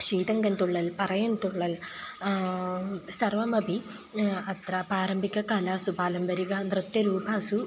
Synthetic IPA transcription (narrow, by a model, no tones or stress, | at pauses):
ʂiːt̪ɐŋɡɐnt̪uɭːɐlpɐrɐjɐnt̪uɭːɐl | sɐrʋɐmɐbʱi | ɐt̪rɐpaːɾɐmbʱikʲːɐkaːlaːsupaːlɐmbɐɾiɣɐnrɨt̪jɐɾuːbaːsu